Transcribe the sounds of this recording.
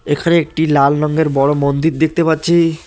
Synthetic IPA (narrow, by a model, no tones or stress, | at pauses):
ekʰaneek̚ʈilalnɔŋɡeɾbɔɽomond̪it̪̚d̪ek̚t̪epat̪ːɕʰi